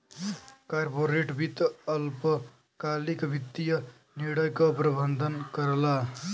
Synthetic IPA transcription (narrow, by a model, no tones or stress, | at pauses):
kaɾboɾeʈbʱit̪əlpə | kalikbʱit̪ːijə | niɽəjkəpɾəbənd̪ʱənkəɾla